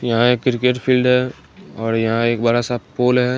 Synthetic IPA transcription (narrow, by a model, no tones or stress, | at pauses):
jɐɦãeːkːɾɪkeʈpʰiːlɖɦɛ | ɔːɾjɐɦãeːk̚bɐɾasapoːlɦɛ